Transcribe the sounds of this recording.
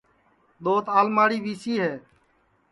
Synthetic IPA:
ɗ̪oːt̪aːlmaːɽiːʋiːsiːɦeː

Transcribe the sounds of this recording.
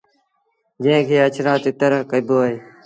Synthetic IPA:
d͡ʒẽːkʰeːət͡ʃʰɾãːt̪eːt̪əɾəɦkəiboːɦeː

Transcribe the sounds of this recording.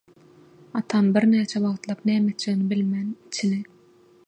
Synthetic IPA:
ɑt̪ʰɑnbiɾnæːt͡ʃʰewɑʁt̪lˠɑpnæːmet̪t͡ʃeɣnibilmænit͡ʃʰine

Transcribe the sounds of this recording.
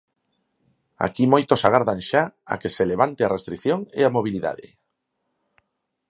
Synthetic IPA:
a̰kimojt̪osaɣaɾðaŋʃaa̰keseleβant̪earest̪ɾikθjoŋeamoβ̞iliða̰ðḛ

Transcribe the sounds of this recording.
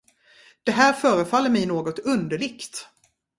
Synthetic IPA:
d̪̥ɛɦæːɾfœːɾəfalːəɾmɛjnoːɡɔt̪ɵnd̪əɭɪkt̪

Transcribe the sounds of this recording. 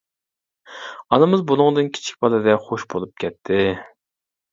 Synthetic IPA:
ɑnɨmɨzbunʊŋd̪ɨnkʲʰi̥t͡ʃʰi̥kʲbɑlˠɨd̪ɛχoʃbolˠup̚kʲʰɛt̪ʰːɪ

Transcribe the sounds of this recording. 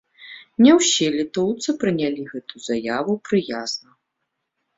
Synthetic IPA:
nʲɛwsʲɛlʲɛt̪ɔwt̪sɨpɾɨnʲalʲiɣɛt̪uzajavupɾɨjaznɐ

